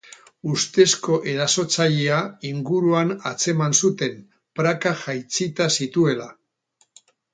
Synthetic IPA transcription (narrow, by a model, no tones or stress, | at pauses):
ust̪e̞sko̞ʔe̞ɾaso̞t͡saʎeaiŋɡuɾuanat͡se̞mansut̪e̞m | pɾakaʝajt͡sit̪asit̪ue̞la